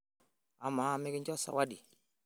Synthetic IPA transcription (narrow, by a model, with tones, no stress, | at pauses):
a˨ma˨˦˨me˦kɪ˦ɲd͡ʒɔ˦sa̰˨wa˦di˨